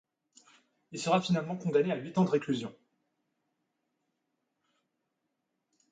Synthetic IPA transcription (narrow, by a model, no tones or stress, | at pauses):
ilsəʁafinalmɑ̃kɔ̃d̪aneaɥit̪ɑ̃d̪əʁeklyzjɔ̃